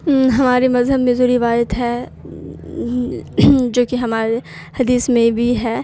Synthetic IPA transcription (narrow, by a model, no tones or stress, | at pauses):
ɦɐmaːɾemɐzɦəbmẽzoɾɪʋaːjət̪ɦɛː | d͡ʒoːkiɦɐmaːɾe | hɐd̪iːsmẽbʱiɦɛː